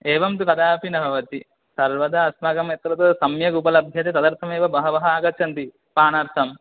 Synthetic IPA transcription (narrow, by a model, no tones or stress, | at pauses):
eːʋɐmt̪ukɐd̪aːpinɐbʱɐʋɐt̪i | sɐɾʋɐd̪ɐːsmɐɡɐmet̪ɾɐt̪oːsɐmjɐɡuːpɐlɐbʱjɐt̪et̪ɐd̪ɐɾt̪ʰɐmeːʋɐbɐɦɐʋɐɦɐaːɡɐt͡ʃʰɐnt̪i | paːnɐɾt̪ʰɐm